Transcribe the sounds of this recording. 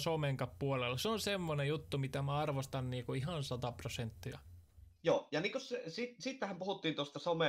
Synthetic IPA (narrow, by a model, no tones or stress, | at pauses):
someŋkɑppuolelːˑɑseonsemːonejut̪ːumit̪æmæɑrʋost̪ɑnniːkuihɑnsɑt̪ɑprosent̪ːiɑ | joːjɑniːŋkossesit̪sit̪ːæhæmpuhut̪ːiːnt̪ost̪ɑsome